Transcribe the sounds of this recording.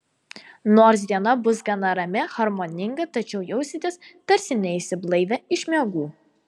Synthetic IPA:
noːɾs̬d̪ʲiɛnɐbʊs̬ɡɐnɐɾɐmʲɪxɐɾmoːnʲɪŋɡɐt̪ɐt͡ʃʲɛʊjɛʊsʲɪt̪ʲeːst̪ɐɾʲsʲɪnʲɛɪsʲɪblˠɐɪʋʲɛɪʃʲmʲɛɡuː

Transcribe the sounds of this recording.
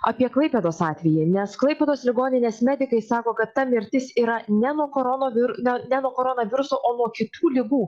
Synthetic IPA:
ɐpʲiɛklˠɐɪpʲɛd̪oːsɑːt̪ʲʋʲɛjɪnʲɛsklˠɐɪpʲɛd̪oːslʲɪɡoːnʲɪnʲeːsmʲɛd̪ʲɪkɐɪsɑːkoːkɐt̪ːɐmʲɪɾʲt̪ʲɪsiːɾɐnʲɛnuɔkoːɾɔnoːʋʲɪɾnʲɛnʲɛnuɔkoːɾonɐʋʲɪɾʊsoːʔoːnuɔkʲɪt̪uːlʲɪɡuː

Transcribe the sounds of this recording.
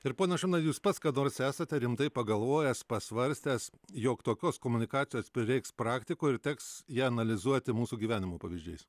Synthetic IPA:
ɪɾpoːnʲɛsʃɐnɐjuːspɐt̪skɐːnoːɾsæːsɐt̪ʲɛɾʲɪmt̪ɐɪpɐɡɐlˠʋoːjɛspɐsʋɐɾʲsʲt̪ʲæs | joːkt̪oːkʲoːskoːmʊnʲɪkɑːt͡ssʲɪjoːspʲɾʲɪɾʲɛɪkspɾɑːkt̪ʲɪkoːɪɾt̪ʲɛːksjiːɐnɐlʲɪzuɔt̪ʲɪmuːsuːɡʲiːʋʲæːnʲɪmoːpɐʋʲiːʒʲd͡ʒʲɛɪs

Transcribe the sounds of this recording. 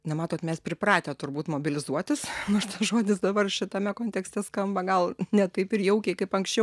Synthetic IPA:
nʲɛmɑːt̪oːt̪mʲɛspʲɾʲɪpɾɑːt̪ʲet̪ʊɾbuːt̪moːbʲɪlʲɪzuɔt̪ʲɪsnoʃt̪ɐsʒoːd̪ʲɪsd̪ɐbɐrʃʲɪt̪ɐmʲɛkoːnʲt̪ʲɛksʲt̪ʲɛskɐmbɐɡɐlˠnʲɛt̪ɐɪpɪrjɛʊkʲɛɪkɐɪpɐŋksʲt͡ʃʲɛʊ

